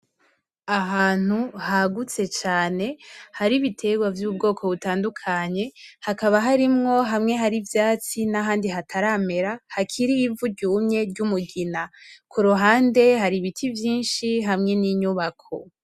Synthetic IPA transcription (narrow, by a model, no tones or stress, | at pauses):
aɦaːn̥uhaɡut͡se̞t͡ʃaːne̞haɾiβitʰe̞ɡwavjub̚ɡo̞ːkʰo̞βutaːndukʰaɲe̞hakaβaɦaɾimŋo̞ɦamŋe̞ɦaɾivjaːt͡sinaɦaːndiɦatʰaɾaːme̞ɾahakʰiɾiːvuɟuːmɲe̞ɾɟumuɡinakʰuɾuɦaːnde̞haɾiβitʰivjiːnʃiɦamŋe̞niɲuβakʰo̞